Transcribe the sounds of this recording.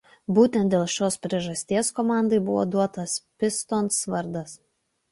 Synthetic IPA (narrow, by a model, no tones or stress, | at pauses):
buːt̪ʲɛnt̪̚d̪ʲeːlˠʃʲoːspʲɾʲiɛʒɐsʲt̪ʲiɛskɔmɑˑnd̪ɐɪbʊʋo̰ːd̪uɔt̪ɐspʲɪst̪oːnsʋɐɾd̪ɐs